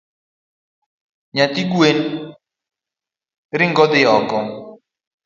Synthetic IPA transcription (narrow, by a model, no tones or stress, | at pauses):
ɲat̪iɡwen | ɾɪŋɡɔd̪ɪɔkɔ